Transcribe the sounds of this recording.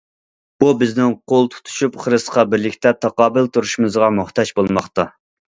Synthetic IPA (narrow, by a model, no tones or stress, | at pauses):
b̥ubɪznɪŋqʰolˠt̪ʰu̥t̪ʰu̥ʃupχəɾɨsqɑbɪɾlɪkʲt̪ʰɛt̪ʰɑqɑːbɪlt̪ʰuɾuʃumɨzʁɑmuχt̪ɑt͡ʃbolˠmɑχt̪ɑ